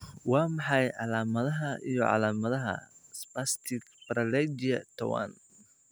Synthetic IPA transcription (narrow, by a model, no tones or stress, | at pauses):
wɑːmɑħɑjʕɑlaːmɐðɐɦɐʔijɞʕɑ̰laːmɐðɐɦɐ̰spast̪ʰɪkfɾɐlɛd͡ʒiɐt̪ʰɐwa̰n